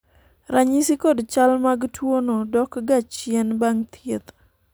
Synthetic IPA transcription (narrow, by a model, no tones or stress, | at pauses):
ɾaɲisikodt͡ʃalmaɡtʰwonodɔkɡat͡ʃjɛnbaŋt̪ʰjet̪